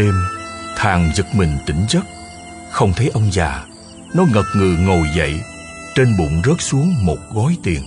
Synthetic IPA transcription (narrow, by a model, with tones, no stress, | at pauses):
e˧mt̪ʰaː˨˩ŋzɨ˨˩k̚mï˨˩ŋ̟t̪ï˧˩ŋ̟zə˦˥t̚ | xə˧wŋ͡mt̪ʰə˨˦jʔə˧wŋ͡mzaː˨˩ | nɔ˨˦ŋə˨˩p̚ŋɨ˨˩ŋo˨˩jzə̰˧˨j | t͡ɕe˧nɓṵ˧˨nzə˦˥t̚su˨˦əŋmo˨˩t̚ɣɔ˨˦jt̪i˨˩ən